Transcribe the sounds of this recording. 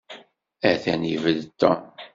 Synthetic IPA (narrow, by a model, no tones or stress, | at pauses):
æθænivəðt̪ːɑ